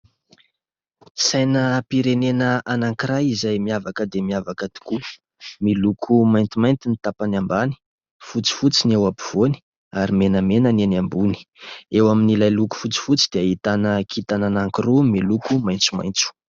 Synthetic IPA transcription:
sajnəpiɾenenəʔanaŋkiɾajizajmiavakəd̪emiavakət̪i̥ku | milukʰumajnt̪imajnt̪init̪apanambani̥ | fut͡si̥fut͡sinewapiv̥oni̥ | aɾimenəmenənenambuni̥ewaminilajluku̥fut͡si̥fut͡sid̪̥eaɦit̪anəkʰit̪ananaŋkirumilukumajnt͡su̥ma̰jnt͡su̥

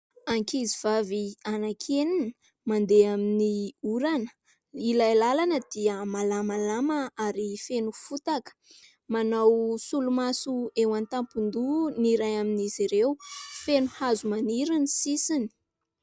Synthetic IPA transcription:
aŋkiziv̥avianakʰenin | mand̪eaminiuɾanə̥ | ilajlalanəd̪̥iəmalamalamaaɾifenufut̪akə̥ | manawsulumasuewant̪ampund̪uniɾajaminiziɾewfenuhazumaniɾinisisini̥

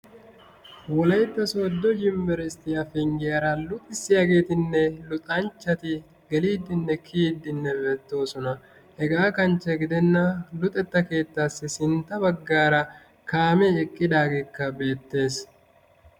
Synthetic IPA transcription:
wɔlɐjt̪ːɐsod̪ːɔd͡ʒɪmːɛɾɛst̪ːɪjɐfɪŋɡɪjɐɾalʊt̪ʼːɪsːɪjaːɡe̞ːt̪ɪnːɛlʊt̪ʼɐnt͡ʃːɐt̪ɪ | ɡɛliːd̪ːɪnːɛkʰiːd̪ːɪnːɛbɛt̪ːo̞ːsɔnɐ | hɛɡaːkɐnt͡ʃːɛɡɪd̪ɛnːɐlʊt̪ʼɛt̪ːɐke̞ːt̪ːaːsːɪsɪnt̪ːɐbɐɡːaːɾɐ | kaːmɛɛkʼːɪd̪aːɡe̞ːkːɐbe̞ːt̪ːe̞ːs

